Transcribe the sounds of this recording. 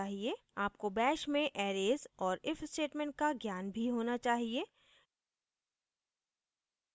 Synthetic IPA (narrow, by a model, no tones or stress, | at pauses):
aːɦie | aːp̚kobɛːʃmẽʔɛːɾeːzɔːɾɪfsʈeːʈmẽːɳʈ̚kaɡjaːnbʱiɦoːnat͡ʃaːɦieː